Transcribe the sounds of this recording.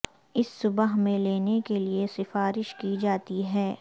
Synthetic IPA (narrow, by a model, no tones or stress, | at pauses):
ɪsːʊbəɦmẽleːnekeliesɪfaːɾɪʃkid͡ʒaːt̪iɦɛː